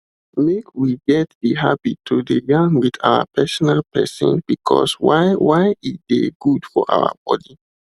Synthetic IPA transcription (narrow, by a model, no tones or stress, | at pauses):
mekʰwiɡɛt̚diɦabitʰudeɡãŋwidawə̰pʰɛsɔnalpɛ̰sɔ̰̃nb̥ikʰɔ̰swaɪwaɪizdeɡudfɔʔa̰ʊə̰b̥ɔdi